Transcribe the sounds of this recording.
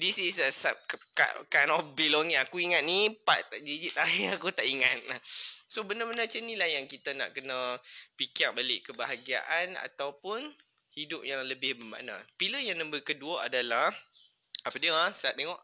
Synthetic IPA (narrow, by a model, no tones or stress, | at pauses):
disisəsap̚ka̰ʔkanɔfbilɔŋiakuiŋat̪̚nipa̰ʔt̪aʔd͡ʒəd͡ʒit̪aiŋakut̪aʔiŋat̪̚asobənəbənat͡ʃənĩlahjaŋkit̪əna̰ʔkənə̃pikiaʔ̚balɪʔkəbaɦaɡia̰ʔana̰t̪awpʊn | hidʊp̚jaŋləbɪhbərba̰na̰piləjaŋnə̃mbəkəduəa̰dalah | apədiəasat̪eŋɔʔ